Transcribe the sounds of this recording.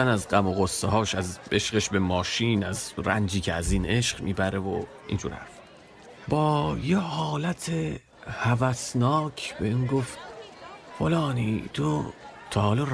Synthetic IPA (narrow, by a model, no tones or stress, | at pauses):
ænæzɢæmoɣosːehɒːʃæze̞ʃɢeʃbemɒːʃiːnæzɾænd͡ʒiːcʰeæziːne̞ʃɢ̥miːbæɾevo̰ | ʔḭnd͡ʒṵːɾæ̰f | bɒːjehɒːlæt̪ʰe | hævæsnɒːcʰbeinɡoft̪ | folɒːnḭːt̪ʰot̪ʰɒːhːlo